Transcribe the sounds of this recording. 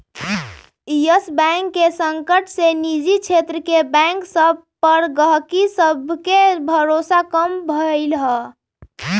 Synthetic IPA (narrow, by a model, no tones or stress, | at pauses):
jəsbɛ̃ŋkːesəŋkəʈsenid͡ʒit͡ʃʰet̪ɾəkebɛ̃ŋksəb | pəɾɡəɦkisəbʱkebʱəɾosakəmbʱəɪlɦə